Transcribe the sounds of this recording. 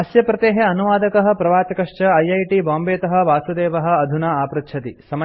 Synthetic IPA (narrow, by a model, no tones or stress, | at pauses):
ɐsjɐpɾɐt̪eːɦeɐnuʋaːd̪ɐkɐɦɐ̆pɾɐʋaːt̪ɐkɐʂt͡ʃɐɐjɐjʈibaːmbeːt̪ɐɦɐ̆ʋaːsud̪eːʋɐɦɐ̆ɐd̪ʱunaːaːpɾɐt̪t͡ʃʰɐt̪isɐmɐ